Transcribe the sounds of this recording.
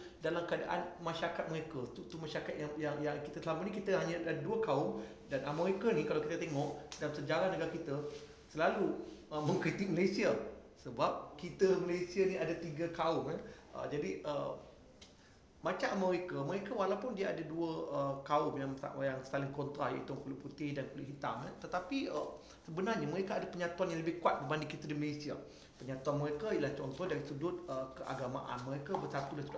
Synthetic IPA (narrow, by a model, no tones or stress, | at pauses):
dalamkəada̰ʔa̰nmãʃaɾakat̪̚mə̃ɾekat̪ut̪umaʃaɾakat̪̚jaŋjaŋjaŋkit̪asəlamat̪̚nikit̪əɦaɲãdadduəkaʊm | danamə̃ɾekanikalawkit̪ət̪eŋɔʔdansəd͡ʒaɾahnəɡaɾkit̪a | səlaluəmə̃ŋkɾit̪ɪk̚məlasiasəbap̚kit̪əməlesianĩadat̪iɡakaʊmaʔə̰d͡ʒadiʔə | mat͡ʃaʔməɾekaməɾekawalawpʊndiaadaduəəkaʊmjamsa̰ʔajaŋst̪alɪŋkɔnt̪ɾaja̰ḭt̪ukulɪʔput̪ɪhdankulɪʔɦit̪ama̰t̪ət̪apiə̰ | səbənarɲaməɾekaːdapəɲat̪uanjãŋləbɪhkuat̪̚bəbandɪŋkit̪adiməlesia | pəɲat̪uanməɾekaiəlaht͡ʃɔnt̪ɔhdaɾisədʊt̪̚əkəʔa̰ɡama̰ʔa̰nməɾekabərsat̪ulasudʊ